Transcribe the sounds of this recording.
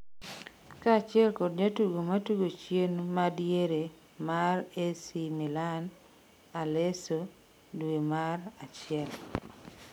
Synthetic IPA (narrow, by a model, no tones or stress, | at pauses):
kaːt͡ʃɪɛlkod̚ɲatuɡomatuɡot͡ʃjenmadjeɾe | maresimilan | aleso | dwemarat͡ʃɪɛl